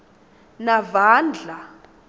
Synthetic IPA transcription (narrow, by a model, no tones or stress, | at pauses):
navaːnd͡ɮʱa